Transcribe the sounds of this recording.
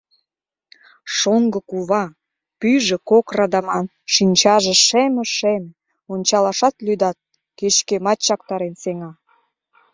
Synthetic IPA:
ʃoŋɡə̆kuβɑ | pyʒĕkokrɑd̪ɑmɑn | ʃinʲt͡ɕɑʒĕʃemə̆ʃem | onʲt͡ɕɑlɑʃɑt̪lyd̪ɑt̪̚ | keʃkemɑt̪t͡ɕɑkt̪ɑɾenseŋɑ

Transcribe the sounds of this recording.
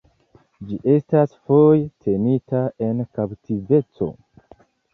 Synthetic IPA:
d͡ʒiʔe̞stasfojtʰe̞nitae̞nkaptʰive̞t͡so̞̰

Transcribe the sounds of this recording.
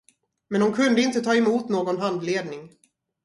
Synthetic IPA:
mɛndʊnkʰɵnd̪əɪnt̪ət̪ʰɑːɛmuːt̪noːɡɔnɦand̪leːd̪nɪŋ

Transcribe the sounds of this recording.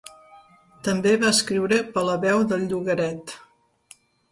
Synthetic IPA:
t̪əmbeβaəskɾiwɾəpələβɛwðəlʎuɣəɾɛt̪

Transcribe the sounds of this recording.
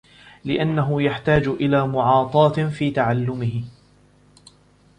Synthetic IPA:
lɪʔanːaɦʊjaħt̪aːd͡ʒʔɪlaːmʊʕɑːt̪ˤɑːt̪fiːt̪aʕalːʊmɪhɪ

